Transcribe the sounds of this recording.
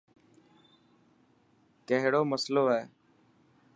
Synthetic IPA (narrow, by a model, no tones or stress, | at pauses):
kəɦɽoːməsloːɦɛː